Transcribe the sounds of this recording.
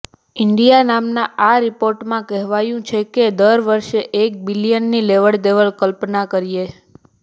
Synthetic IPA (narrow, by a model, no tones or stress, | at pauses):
ɪɳɖijanamnaʔaɾipoɾʈmãkɛɦʋajũt͡ʃʰeked̪əɾʋəɾʃeʔːk̚bilijənːileʋəɭd̪eʋəɭkəlpnakəɾije